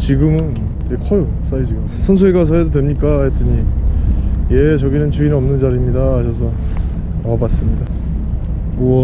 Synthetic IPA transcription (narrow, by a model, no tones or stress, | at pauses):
t͡ɕiɡɯmɯn | tekʰʌjo | s͈aid͡ʑiɡɯ | sʰʌnsʰueɡas̬ʰʌedodwemɲik͈aːjet͈ɯɲi | jet͡ɕʌɡinɯnt͡ɕuinʌmnɯnd͡ʑaɾimɲidaːɕʰʌs̬ʰʌ | amabas͈ɯmɲida | uʌ